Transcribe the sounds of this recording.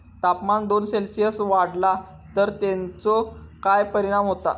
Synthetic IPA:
t̪apmand̪onselsijəsʋaɽla | t̪əɾt̪ẽnt͡sɔkajpəɾiɽ̃amɦot̪a̰

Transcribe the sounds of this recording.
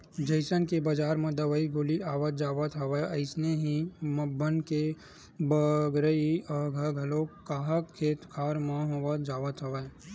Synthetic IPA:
d͡ʒɐɪsənkebad͡ʒaːɾmẽd̪ɐʋəiɡoːliaːʋət̪d͡ʒaːʋət̪ʰɐʋəɐɪsneɦĩmɐbənke | bəɡɾəiɐɡʱɐɡʱɐlokaːɦəkʰːeːt̪kʰaːɾmãɦõʋəd͡ʒaːʋət̪ʰɦɐʋə

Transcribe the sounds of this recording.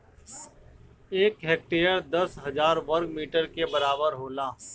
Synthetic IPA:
eːkɦeːk̚ʈeːəɾd̪ɐsɦɐzaːɾʋəɾɡmiːʈəɾkebɐɾaːbəɾɦoːlaː

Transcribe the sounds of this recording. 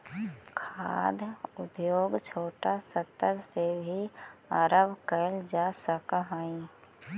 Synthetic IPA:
kʰa̰ːd̪ʱʊd̪joːɡt͡ʃʰoːʈasət̪ːəɾsebʱiaɾəbkəld͡ʒaːsəkɦaːĩ

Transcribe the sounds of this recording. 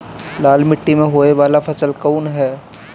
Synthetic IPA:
laːlmɪʈːimẽɦoːeʋaːlafʰɐsəlkɔːnɦɛː

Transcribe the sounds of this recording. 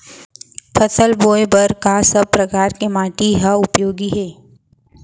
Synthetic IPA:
pʰəsəlboːebɐɾkaːsəb̚pɾɐkaːɾkemaːʈiɦaʊpjoːɡiɦɛː

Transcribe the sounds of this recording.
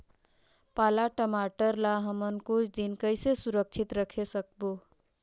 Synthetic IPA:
palaʈəmaʈəɾlaɦəmənkut͡ʃʰd̪inkəɪsesuɾək̚t͡ʃʰit̪ɾəkʰesək̚bu

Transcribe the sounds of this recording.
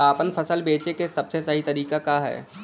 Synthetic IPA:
aːpənfʰɐsəlbeːt͡ʃekesɐbsesəɦit̪ɐɾiːkakaɦɛ̰ː

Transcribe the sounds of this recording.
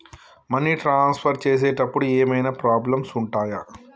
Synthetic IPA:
mɐnːiːʈɾaːnspʰɐɾt͡ʃeːs̬eːʈɐpːuɽueːmɐjnaːpɾaːblɐmsuɳʈaːjɐ

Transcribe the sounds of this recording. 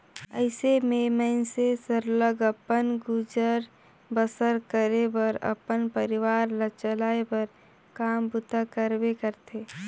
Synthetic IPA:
ə̰ɪsememəɪnsesəɾləɡəpənɡʊd͡ʒəɾ | bəsəɾkəɾebəɾə̰pənpəɾɪʋaːɾlət͡ʃəlaːebəɾ | kaːmbʊt̪akəɾbekəɾt̪ʰeː

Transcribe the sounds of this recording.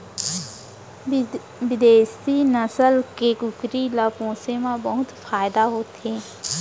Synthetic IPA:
ʋɪd̪eːsinəsəlkekʊkɾilapõːsemãbəɦʊt̪faːjɪd̪aɦoːt̪ɦẽː

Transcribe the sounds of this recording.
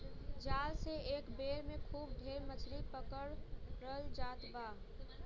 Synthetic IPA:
d͡ʒaːlseeːkbeːɾmẽkʰuːbd̪ʱeːɾmət͡ʃʰɾipəkəɽɾəld͡ʒaːt̪baː

